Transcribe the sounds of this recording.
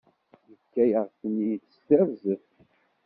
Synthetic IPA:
jəkːæjəʁθənijət̪ːə̥st̪ævzəθ

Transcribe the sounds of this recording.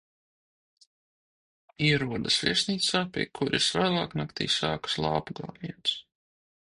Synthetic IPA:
iɛɾuɔd̪asvʲiɛsʲniːt̪saːpʲḭɛkʰuɾisvæːlˠɑːknakt̪ḭːsaːkḁslˠɑ̰ːpuɡlˠɑ̰ːniɛnt̪s

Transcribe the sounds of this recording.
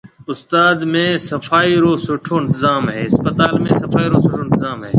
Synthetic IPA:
ʊst̪aːd̪mẽːsəfaːiːɾoːsʊʈʰoːɪnt̪ɪzaːmɦɛːɪspət̪aːlmẽːsɐfaːiːɾoːsʊʈʰoːɪnt̪ɪzaːmɦḛː

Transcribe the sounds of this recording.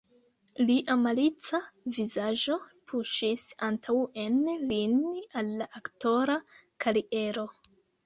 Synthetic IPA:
liʔamalit͡savizaʒo̞pʰuʃisantʰawe̞nlinalːaʔakto̞ɾakʰaɾiʔe̞ɾo̞

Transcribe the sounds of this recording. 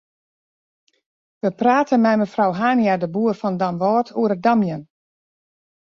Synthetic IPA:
ʋəpraːtʰənmɛjməfrawɦaːnjadəbuərfɔndamʋɔːtʰuəɾədamjən

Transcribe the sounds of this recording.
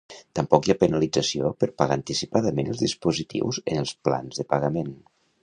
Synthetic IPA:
t̪əmpɔkjapənəlid͡zəsiopəɾpaɣaːnt̪isipaðəmenəlˠzðispuzit̪ḭwzənəlˠspla̰nzðəpəɣəmen

